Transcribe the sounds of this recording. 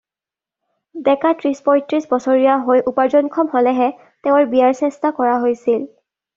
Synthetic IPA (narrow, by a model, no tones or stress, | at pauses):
bɛkatɹispɔjtɹisbɔsɔɹijaɦojʔupaɹzɔnkʰɔmhɔlɛɦɛ | teʊ̃ɹbijaɹsɛstakɔɹaɦojsil